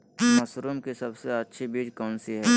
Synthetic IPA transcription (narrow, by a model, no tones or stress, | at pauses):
mɐsɾumkisɐbseɐtːʃʰibiːd͡ʒkɔːnsiɦɛː